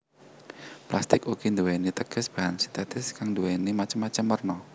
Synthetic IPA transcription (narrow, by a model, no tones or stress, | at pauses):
plast̪ɪkuɡ̥ind̪uwenit̪əɡ̥ə̤sb̥a̤ɦansi̥t̪ɛt̪ɪskaŋnd̪uwenimat͡ʃəmːat͡ʃəmːərnɔ